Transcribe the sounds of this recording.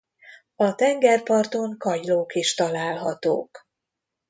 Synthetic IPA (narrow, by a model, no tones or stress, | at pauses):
ɒt̪ɛŋɡɛrpɒrt̪oŋkɒjloːkiʃt̪ɒlaːlɦɒt̪o̰ːk